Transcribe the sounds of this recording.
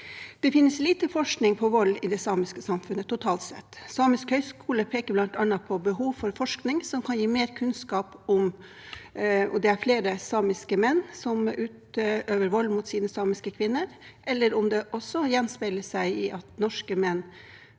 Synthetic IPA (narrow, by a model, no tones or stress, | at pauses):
d̪̥ɛfɪnːəsliːt̪əfɔʂknɪŋpʰɔʋɔlːɪd̪ɛsɑːmɪskəsɑmfʉnːət̪ʰʊt̪ʰɑːlt̪sɛ̰t̪ːsɑːmɪskhœʏskʰuːləpʰeːkəblɑnt̪ɑnːɑpʰɔbəɦuːʋfɔɾfɔʂknɪŋsɔmkʰɑnjiːmeːɾkʰʉnskɑːpɔm | ɔd̪ɛæɾfleːɾəsɑːmɪskəmɛnːsɔmʔʉːt̪øːʋəɾʋɔlːmʊt̪siːnəsɑːmɪskəkʰʋɪnːəɾʔɛlːəɾʊmd̪ɛʔɔsɔjɛnspɛləsæɪɪʔɑt̪nɔʂkəmɛnː